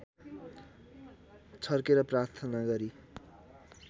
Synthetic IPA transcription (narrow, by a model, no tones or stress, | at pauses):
t͡sʰʌrkeɾʌprart̪ʰʌnaɡʌɾi